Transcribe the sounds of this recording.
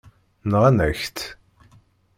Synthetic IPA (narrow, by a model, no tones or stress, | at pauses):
nʁænæçt̪